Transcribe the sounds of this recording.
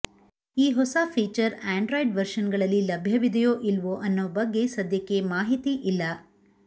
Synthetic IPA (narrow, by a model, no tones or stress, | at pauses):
iːɦɔsɐpʰiːt͡ʃɐɾaːɳɖɾojɖʋɐɾʂɐnɡɐɭɐlːilɐbʱjɐʋid̪ʱɐjoːʔilʋoʔɐnːobɐɡːe̞sɐd̪jɐkːe̞maːɦit̪iʔilːɐ